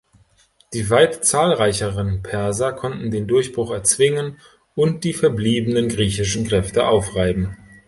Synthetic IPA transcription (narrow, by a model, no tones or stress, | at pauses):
d̥iːvaɪtt͡saːlʁaɪçəʁənpʰɛɐzɐkʰɔntn̩deːndʊɐçb̥ʁʊχɛɐt͡sv̥ɪŋən | ʊnt̚d̥iːfɛɐbliːbənənɡʁiːçɪʃn̩kʁ̥ɛftəʔaʊfʁaɪbm̩